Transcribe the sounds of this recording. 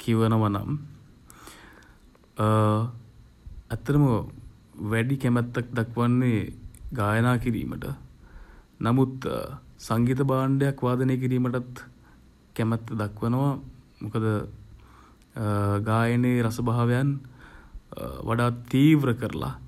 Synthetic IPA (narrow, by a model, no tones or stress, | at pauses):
kʰiʋənəʋana̰m | æt̪ːɐɾəmə | ʋæɖikæmɛt̪ːak̚d̪akʋanːeɡaːjənaːkiɾḭːmə̰ʈə̰ | namut̪saŋɡiːt̪̬ɐbaːɳɖejakʋaːd̪əneːk̬iɾiːməʈat̪ | kɛmɛt̪ːd̪akʋənəʋa | mukəd̪ə | ɡaːjəneɾɐsəbaɦaʋejan | ʋʔa̰ɖaːt̪ːiːʋɾəkəɾə̰la̰